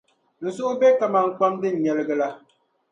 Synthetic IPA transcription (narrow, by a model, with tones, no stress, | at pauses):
n̩˨sʊ˦ʔʊ˦bɛ˦ka˨ma˨ŋ̩˨k͡pa˦mdɨ˦n̩˨ɲɛ˨lɨ˦ɡɨ˦la˦